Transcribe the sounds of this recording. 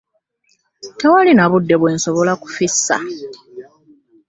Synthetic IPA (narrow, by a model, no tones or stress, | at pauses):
te̞walinaβudːe̞βwe̞ːnso̞βo̞laku̥fisːa̰